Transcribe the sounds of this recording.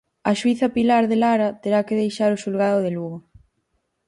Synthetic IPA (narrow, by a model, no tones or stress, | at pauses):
ɐʃuiθɐpilaɾðelaɾat̪eɾakeðejʃaɾoʃulɣaðʊðeluɣo